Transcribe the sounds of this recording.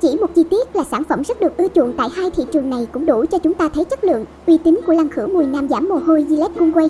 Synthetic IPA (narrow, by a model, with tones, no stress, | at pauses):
t͡ɕi˧˩mo˨˩t̚zi˧t̪i˦˥ət̚laː˨˩saː˧˩nfə˧˩mzə˦˥t̚ɗɨ˨˩ək̚t̪ɨ˧t͡ɕʊ̰˧˨əŋt̪a̰ː˧˨jhaː˧jt̪ʰḭ˧˨t͡ɕɨ˨˩əŋna˨˩jkʊ̰˧˥ŋ͡mɗu˧˩t͡ɕɔ˧t͡ɕʊ˨˦ŋ͡mt̪aː˧t̪ʰə˨˦jt͡ɕə˦˥t̚lɨ̰˧˨əŋʔwi˧t̪ï˨˦ŋ̟ku˧˩əla˨˧˩ŋxɨ˧˥wmu˨˩jnaː˧mzaː˧˩mːo˨˩ho˧jzi˧lɛ˦˥t̚kʊ˧ŋ͡mkwa˧j